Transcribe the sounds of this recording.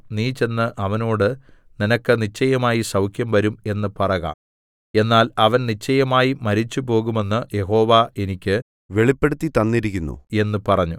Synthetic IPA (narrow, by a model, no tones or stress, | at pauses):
niːt͡ɕe̞nːɨʔɐʋɐno̞ːɽɨ | ninɐkːɨnit͡ɕːɐjɐmaːjisɐwkʰjɐmʋɐɾume̞nːɨpɐrɐɣa̰ | e̞nːaːlɐʋɐnnit͡ɕːɐjɐmaːjimɐɾit͡ɕːupo̞ːɣume̞nːɨje̞ɦo̞ːʋae̞nikʲːɨ | ʋe̞ɭipːe̞ɽut̪ːit̪ɐnːiɾikʲːunːṵe̞nːɨpɐrɐɲːu